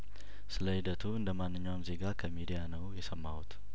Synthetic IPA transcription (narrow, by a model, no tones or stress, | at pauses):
sɨləhid̪ət̪ʰuɨnd̪əmanːɨɲːawamze̞ɡakʰəmid̪ijanəwjɛsəmːaut̪